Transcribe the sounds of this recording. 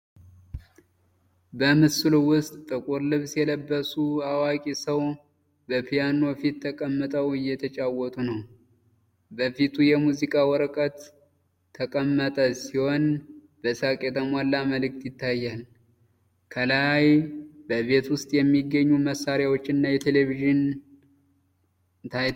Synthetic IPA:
bəmɨsɨlwʊst̪ʼt̪ʼɨkʼuɾlɨβsjɛləbːəsuawakʼisəw | bəpʰijano̞fit̪ʰːəkʼəmːət̪ʼəwɨjːɛt̪ʰət͡ʃʼawɔt̪ʼunəw | bəfit̪ʰujɛmuzikʼawɔɾəkʼət̪ʰː | əkʼəmːət̪ʼəsiho̞n | b̥əsakʼet̪ʰəmalːaməlɨk̚t̪jɪt̪ʰːajːal | kʰəlajbəβe̞t̪wʊst̪ʼjɛmːiɡːəɲːuməsːaɾjawot͡ʃːnːajɛt̪ʰe̞leviʒɪn | t̪ʰaj

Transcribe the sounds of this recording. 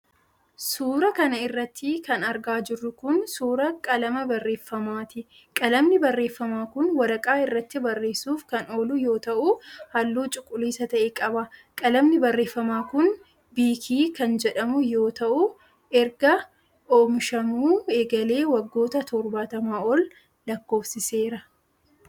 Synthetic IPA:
suːɾɐkɐnɐɪrːɐt̪ʰːɪkɐnɐɾɡaːd͡ʒɪrːʊkʊnsuːɾɐkʼɐlɐmɐbɐrːe̞ːfːɐmaːt̪ɪ | kʼɐlɐmnɪbɐrːe̞ːfːɐmaːkʊnwɐɾɐkʼaːɪrːɐt̪ːɪbɐrːe̞ːsuːfkɐno̞ːlʊjo̞ːt̪ɐʔʊhɐlːuːt͡ʃʼʊkʼːʊliːsɐt̪ɐʔeːkʼɐbɐkʼɐlɐmnɪbɐrːe̞ːfːɐmaːkʊn | biːkʰiːkɐnd͡ʒɛᶑɐmʊjo̞ːt̪ɐʔʊ | ɛɾɡɐ | ʔoːmʃɐmuːeːɡɐle̞ːwɐɡːo̞ːt̪ɐt̪ɔɾbaːt̪ɐmaːɔl | lɐkːo̞ːfsɪse̞ːɾɐ

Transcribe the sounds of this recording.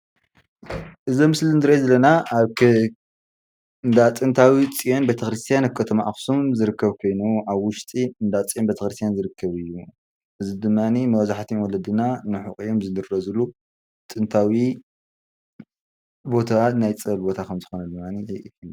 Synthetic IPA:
ʔɨzimɨslɨnd̪ɨɾezɐlɐnaaβkʰ | ɨnd̪at͡sʼɨnt̪ʰawit͡sʼijonbet̪ʰɐxɾɨst̪ʰijanakʰɐt̪ʰɐmaʔaxsumzɨɾɨkʰːɐβkʰo̞jnuʔaβwʊʃt̪ʼiɨnd̪at͡sʼijonbet̪ʰɐxɾɨst̪ʰjanzɨɾɨkʰːɐβɨjːu | ʔɨzid̪ɨmːanimɐwzaħt̪ʰiwɔlɐd̪ɨnanɨħuχʼijomzɨd̪ɨɾɐzɨlu | t̪ʼɨnt̪ʰawi | bo̞t̪ʰat̪najt͡sʼɐlbo̞t̪ʰakʰɐmzɨxonɐd̪ɨmːani

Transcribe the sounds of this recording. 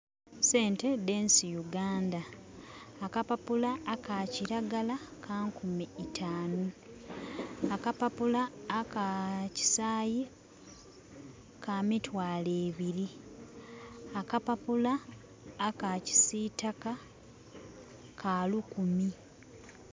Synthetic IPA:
se̞ːnte̞de̞nsijuɡaːndaː | kapapulaːkaːciɾaɡalakʰaːŋkumiːtʰaːnu | akapapulaːkaci̥saːje | kʰamitwaːleːβiɾi | akapapulaː | kaci̥sitaka | kʰaːlukumi

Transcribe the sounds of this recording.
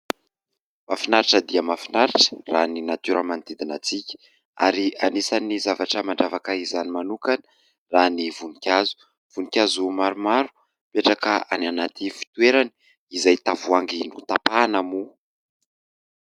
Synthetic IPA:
mafinaɾiʈ͡ʂəd̪iəmafinaɾiʈ͡ʂə̥raninat̪uɾʔəmant̪id̪inat͡sikʲə̥ | a̰ɾianisanizavaʈ͡ʂəmaɳɖ͡ʐavakaizanimanukani | ranivunikʲazu̥ | v̥unikʲazumaɾumaɾu̥ | peʈ͡ʂakəa̰nanat̪ʰifi̥t̪ueɾani̥ | izajt̪avuaŋɡinut̪apanamu

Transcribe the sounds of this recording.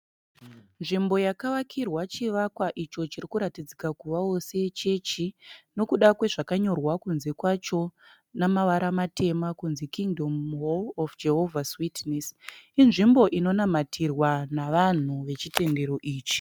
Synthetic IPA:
nʐimbo̞jakaʋakʰirwat͡ʃiʋakwaʔit͡ʃo̞t͡ʃiɾikuɾatid͡zikakuʋao̞se̞t͡ʃe̞t͡ʃino̞kuɗakwe̞ʐakaɲo̞rwakunze̞kwat͡ʃo̞ | namaʋaɾamate̞makunzikiŋdʱo̞mɦolofd͡ʒe̞ɦo̞vʱaswitnesinʐimbo̞ʔino̞namatʰirwanaʋan̤uʋe̞t͡ʃite̞ndeɾo̞ʔiːt͡ʃi̥

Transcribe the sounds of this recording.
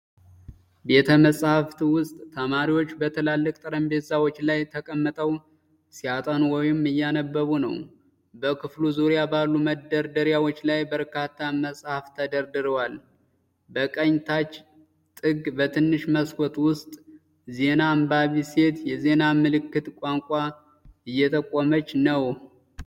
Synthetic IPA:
be̞t̪ʰəməsʼhaft̪iwʊst̪ʼt̪ʰəmaɾiwo̞t͡ʃːbət̪ʰəlalːəkʼt̪ʼɨɾəmbe̞zawo̞t͡ʃːlajt̪ʰəkʼəmːət̪ʼəw | siat̪ʼanwɔjɪmɨjːanəbːəβunəw | bəkʰɨfluzuɾjabalːuməd̪əɾd̪əɾjawo̞t͡ʃːlajbəɾkat̪ʰːaməsʼhaft̪ʰəd̪əɾd̪ɨɾəwal | bəkʼəɲt̪ʰat͡ʃː | t̪ʼɨɡbət̪ʰɨnːɨʃməskʰʼɔt̪wʊst̪ʼ | ze̞nambaβise̞t̪jɛze̞namɨlɨkːɨt̪ʼkʷʼaŋkʷʼa | ɨjːɛt̪ʼəkʼːɔmət͡ʃːnəw

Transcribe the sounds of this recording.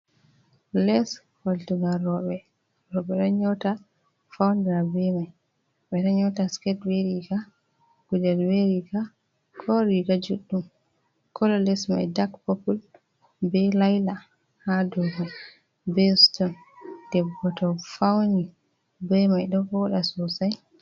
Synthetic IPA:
lɛs | faltuŋɡaɾɔɓɛ | ɾɔɓɛɗɔɲɔwta | fawndɛɾabɛmaj | ɓɛɗɔɲɔwtaskɛtweɾika | ɡ̥ud͡ʒɛlweɾika | kʰɔɾikad͡ʒuɗːum | kʰɔlɔlɛsma̰jdakpɔpul | bɛlajla | hadɔɡɔ | bɛstɔn | d̥ɛbɔtɔfawni | bɛmajɗɔfɔɗasɔsaj

